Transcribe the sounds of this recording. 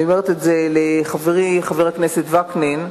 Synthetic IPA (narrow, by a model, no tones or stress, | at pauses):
omeʁet̪etzeleχaveʁiχaveʁaknesetvaknin